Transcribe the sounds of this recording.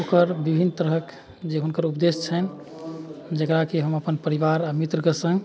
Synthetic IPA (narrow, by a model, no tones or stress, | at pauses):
okəɾbibʱinːt̪əɾɦək | d͡ʒeɦunkəɾupd̪est͡ʃʰən | d͡ʒəkɾakeɦəməpənpəɾiʋaɾamit̪ɾəkəsə̃ŋɡ